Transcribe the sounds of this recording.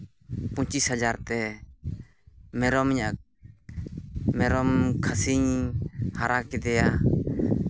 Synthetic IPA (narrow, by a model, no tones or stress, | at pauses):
pũt͡ʃishad͡ʒaɾt̪ɛ | mɛɾɔmiɲaʔ | mɛɾɔmkʰasiɲhaɾakɛd̪ɛja